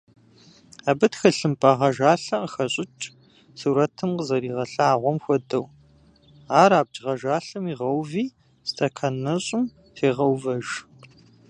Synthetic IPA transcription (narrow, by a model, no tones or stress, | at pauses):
aːbɐtxɐɬɨmpʼɐʁɐʒaːɬɐqəxɐɕʼɪt͡ʃʼ | suːɾɐtʰɨmqəzɐɾiːʁɐɬɐaːʁʷɔmxʷɔdɐw | aːɾaːb̚d͡ʒʁɐʒaːɬɨmiːʁɐwviː | stʰʼɐkʰɐnɐɕʼɪm | tʰeːʁɐwvɐʒ